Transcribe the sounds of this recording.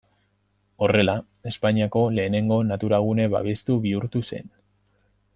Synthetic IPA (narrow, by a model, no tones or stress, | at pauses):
o̞re̞la | e̞spaɲiako̞le̞ːne̞ŋɡo̞nat̪uɾaɣ̞une̞βa̰βe̞st̪uβiuɾt̪use̞̰n